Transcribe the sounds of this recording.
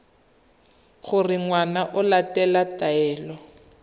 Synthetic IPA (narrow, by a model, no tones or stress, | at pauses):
χʊrɪŋwanaʔʊlatɛlataɛːlɔ